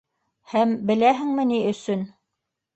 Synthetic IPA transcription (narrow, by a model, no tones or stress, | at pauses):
hæmbɘ̆læɦɘ̆ŋmɘ̆niɵ̆sɵn